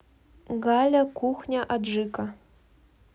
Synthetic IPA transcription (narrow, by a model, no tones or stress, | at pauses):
ɡalʲɐkʷʰuxnʲaʔaʐɨkʼɐ